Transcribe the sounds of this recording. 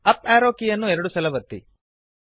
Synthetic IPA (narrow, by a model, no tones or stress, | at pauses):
ɐpaːɾoːkijɐnːuɛɾɐɽusɐlɐʋɐt̪ːḭ